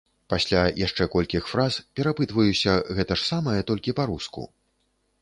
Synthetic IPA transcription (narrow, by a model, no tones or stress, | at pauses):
pasʲlʲajaʂt͡ʂɛkɔlʲkʲixfɾazpʲɛɾapɨt̪vɐjusʲɐɣɛt̪ɐʂsamɐjɐt̪ɔlʲkʲipaɾuskṵ